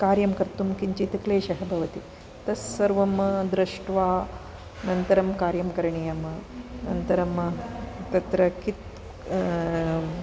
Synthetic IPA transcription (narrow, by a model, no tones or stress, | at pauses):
kaːɾjɐmkɐɾt̪umkiɲt͡ʃit̪ɐkleːʃɐɦɐbʱɐʋɐt̪i | t̪ɐsːɐɾʋɐmɐd̪ɾɐʂʈʋaː | nɐnt̪ɐɾɐmkaːɾjɐmkɐɾɐɳijɐmɐnɐ̰nt̪ɐɾɐmt̪ɐt̪ɾɐkit̪